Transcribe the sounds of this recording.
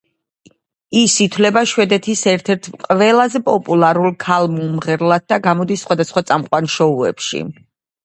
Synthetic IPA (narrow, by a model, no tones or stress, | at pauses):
isit̪ʰwlɛbaʃwɛd̪ɛt̪ʰisɛɾt̪ʰɛɾt̪ʰqʼvɛlˠazɛpʼɔpʼulˠaɾulˠkʰalˠmumʁɛɾlˠad̪̚d̪aɡamɔd̪isːχwad̪asχwat̪sʼamqʼwanʃɔuɛ̰pʃḭ